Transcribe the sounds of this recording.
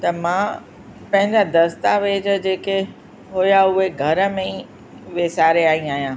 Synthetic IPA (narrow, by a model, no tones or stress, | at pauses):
t̪ɐmã | pɐ̃ɦɪ̃ɲd͡ʑad̪ɐst̪aʋeːd͡ʑə̆d͡ʑeːke | ɦojaʊɦeɡʱɐɾə̆mẽ | ʋeːsaːɾeaːĩaːɦijãː